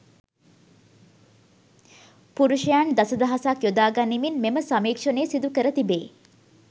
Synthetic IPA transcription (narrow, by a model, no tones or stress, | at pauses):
puɾuʃɐjand̪ɐsɐd̪ɐɦasakjod̪aːɡanːiminmeməsamiːkʂɐneːsid̪ukəɾət̪ibeː